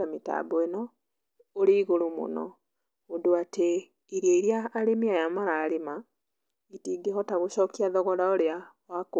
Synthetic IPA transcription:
amita̰boenɔː | ɾiːɣoɾumo̰nɔ̰ | odoate | iɾeɾjaːɾemiajamaɾaːɾema | itiːɡehɔtaɣoɕɔːkiaðɔɣɔɾaoɾea | wak

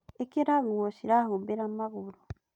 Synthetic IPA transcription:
ekeɾaɣuosiɾahubeɾamaɣuɾu

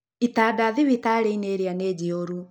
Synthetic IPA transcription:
itaːdaðiβitaɾeineːɾianeːd͡ʑioɾu

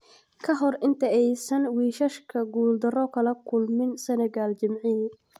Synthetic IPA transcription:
kʰɐɦɔrɪnt̪ʰɐɛjsɐnwiːʃɐʃkʰɐɡuːld̪ɐrɔkʰɐlɐkʰʊlmɪnsɐnɐɡaːlt͡ʃɐmʕin

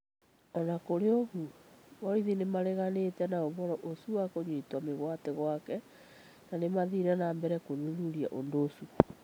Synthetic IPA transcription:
ɔnakoɾeohumɔiðinemaɾɛɣanetɛnaovɔɾɔʔosuwakoɲwetwameɣwatɛɣwakɛ | nanemaðiɾanambɛɾɛkonuðuɾia̰ʔondosu

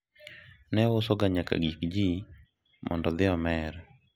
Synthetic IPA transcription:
nɛwosɔɡaɲaka̰ɡikd͡ʒi | mʔɔ̰ndɔd̪ɪɔmɛɾɛ

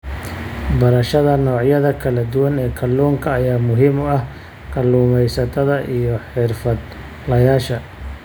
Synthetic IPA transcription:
bɐɾɐʃɐðɐnɔːʕjɐðɐkʰɐlɐd̪ʊwɐnɛːkʰɐluːŋkʰɐːjaːmʊɦɪmʊɐh | kʰɐluːmɛjsɐt̪ʰɐðɐʔijɔħɪrfɐd̪̚ | lɐjaːʃɐ

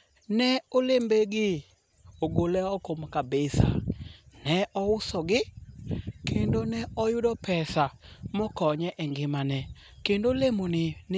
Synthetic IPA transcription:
nɛolembeɡɪ | oɡolɛɔkomkabesa̰nɛɔusɔɡɪ | kʰendonɛɔjudɔpɛsamokɔɲɛʔɛŋɡɪmanɛ | kendolemonɪn

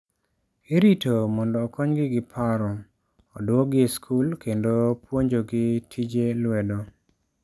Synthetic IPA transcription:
eɾitomɔndɔːkɔɲɡɪɡɪpʰaɾɔ | ɔdoɡɪskʰulkendopwoɲd͡ʒoɡɪtʰid͡ʒelwɛdo

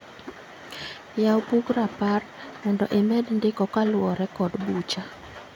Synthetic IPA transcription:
jawpuɡɾaparmɔndɔ̰ʔemɛdndɪkɔkalwɔɾɛkɔdbut͡ʃa

